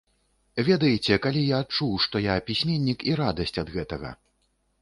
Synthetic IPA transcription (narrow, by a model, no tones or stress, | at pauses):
vʲɛd̪ɐjit͡sʲɛkalʲijaːt̪̚t͡ʂuwʂt̪ɔjapʲisʲmʲenʲːikiɾad̪ɐsʲt͡sʲɐd̪ɣɛt̪ɐɣɐ̰